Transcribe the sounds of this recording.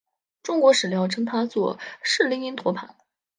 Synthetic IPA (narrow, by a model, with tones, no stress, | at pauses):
ʈ͡ʂʊ˥ŋkwɔ˧˥ʂɻ̩˨˩ljɑ˧˥ʊʈ͡ʂʰɤ˥ŋt̪ʰa˥t͡swɔ̰˥˧ʂɻ̩˥˩li˧˥ŋi˧˥nt̪ʰwɔ˧˥pʰa˨˧˩n